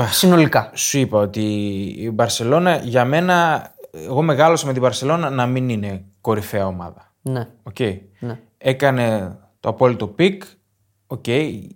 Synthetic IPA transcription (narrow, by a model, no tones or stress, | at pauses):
ssino̞likɐsuipɐo̞t̪iːbɐɾse̞lo̞nɐʝɐme̞nɐḛɣo̞me̞ɣɐlo̞sɐme̞t̪ibɐɾse̞lo̞nɐnɐminine̞ko̞ɾife̞ɐo̞mɐ̰ðɐ | neo̞ce̞i | n | e̞kɐne̞ | t̪o̞ɐpo̞lit̪o̞pik | o̞ce̞i